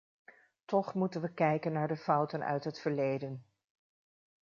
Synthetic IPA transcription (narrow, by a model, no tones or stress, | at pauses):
tɔχmutənʋəkɛjkənːaːɹdəvʌwtənœ̰ɥtɦətfəɹlejdən